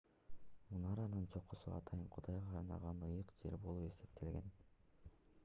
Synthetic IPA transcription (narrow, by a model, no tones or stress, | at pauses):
munɑɾɑnɯnt͡ʃʰo̞qːusṵɑ̰t̪ʰɑjɯɴqʰud̪ɑjʁɑɑɾnɑ̰ʁɑnd̪ɯjɯqd͡ʒe̞̰ɾbolˠue̞se̞pt̪ʰe̞lɡe̞n